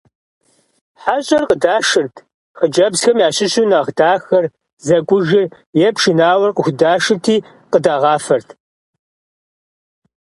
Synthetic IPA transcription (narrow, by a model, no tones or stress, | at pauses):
ħaɕʼɐrqədaːʂɨrtʰ | χəd͡ʒɐbsxɐmjaːɕɪɕuːnɐʁdaːxɐr | zɐkʷʼʊʒɪr | jɛpʂɪnaːwɐrqəxʷdaːʂɨtʰiː | qədaːʁɑːfɐrtʰ